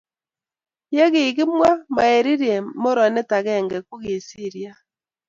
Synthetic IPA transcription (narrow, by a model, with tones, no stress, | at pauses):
je˦ɣe˨ɣi˦mwa˦ma˨e˨ɾi˦ɾiɛ˨mo˦ɾɔ˨nɛ˦ta˨ɣɛ˦˨ŋɡɛ˨ku˦ɣe˨si˦˨ɾja˦